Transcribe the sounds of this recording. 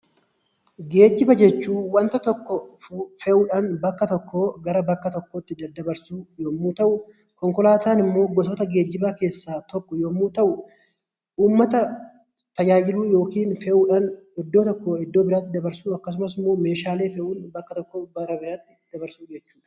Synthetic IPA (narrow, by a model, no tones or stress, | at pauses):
ɡe̞ːd͡ʒːɪbɐd͡ʒɛt͡ʃːuːwɐnt̪ɐt̪ɔkːɔfɛʔuːᶑɐnbɐkːɐt̪ɔkːo̞ːɡɐɾɐbɐkːɐt̪ɔkːot̪ːɪd̪ɐd̪ːɐbɐɾsuːjoːmːuːt̪ɐʔʊ | kɔŋkɔlaːt̪aːnɪmːo̞ːɡɔsɔt̪ɐɡe̞ːd͡ʒːɪbake̞ːsːaːt̪ɔkːɔjoːmːuːt̪ɐʔʊ | ʔuːmːɐt̪ɐ | t̪ɐd͡ʒaːd͡ʒɪluːjo̞ːkiːnfɛʔuːᶑɐnɛd̪ːo̞ːt̪ɔkːoːɛd̪ːo̞ːbɪɾaːt̪ːɪd̪ɐbɐɾsuːɐkːɐs̬ʊmɐsmoːme̞ːʃaːle̞ːfɛʔuːnbɐkːɐt̪ɔkːoːbɐɾɐbɪɾaːt̪ːɪd̪̥ɐbɐɾsuːd͡ʒɛt͡ʃːuːᶑɐ̥